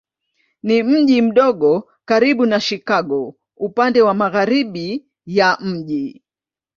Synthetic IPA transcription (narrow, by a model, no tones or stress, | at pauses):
nim̩ʄim̩ɗɔɠɔ | kaɾiɓunaʃikaɠɔ | upandɛwamaɣaɾiɓi | jam̩ʄi